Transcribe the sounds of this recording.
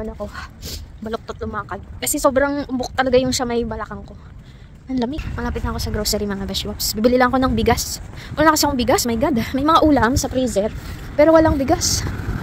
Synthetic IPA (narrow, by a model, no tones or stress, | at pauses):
ɐnɐko̞ | bɐlok̚t̪ot̪lomaːkɐd̪̚kɐsɛso̞ːbɾɐŋʔʊbok̚t̪ɐlɐɡajʊŋʃamɐjbɐlɐkɐŋko̞ | nɐnlɐmɪkmɐlaːpɪt̪̚nɐʔko̞sɐɡɾowsɛɾimɐŋabɛsapsbibɪlilɐŋɐko̞nɐŋbɪɡasʔʊlːnɐkɐsiɐkoŋbɪɡasmɐjɡad̪mɐjmɐŋaʔuːlɐmsɐpɾisɛɾ | pɛːɾowɐlaŋbɪɡas